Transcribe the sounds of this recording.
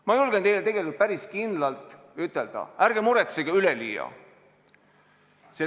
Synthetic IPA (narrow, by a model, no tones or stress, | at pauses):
mɑjulɡ̥ent̪e̞jlet̪e̞ɡ̥e̞likult̪̚pæɾiskind̪lɑlt̪ˑ | yt̪ːˑe̞ld̪ɑ̰æɾɡ̥emuɾet̪seɡ̥ɑyleliːjɑ̰ | se